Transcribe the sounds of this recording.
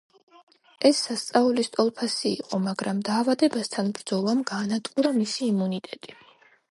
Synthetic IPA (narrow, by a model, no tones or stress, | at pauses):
ɛsːast̪sʼaulist̪ʼɔlˠpʰasiːqʼɔmaɡɾamd̪aːvad̪ɛbast̪ʰanbɾd̪zɔlˠamɡaːnat̪ʼqʼuɾamisiːmunit̪ʼɛt̪ʼi